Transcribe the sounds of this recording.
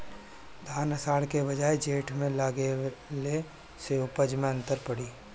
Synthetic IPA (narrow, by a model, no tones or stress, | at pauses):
d̪ʱaːnɐsaːɽkebɐd͡ʒaːed͡ʒeːʈmẽlaːɡele | seʊpəd͡ʒmẽɐ̃nt̪əɾpɐɽiː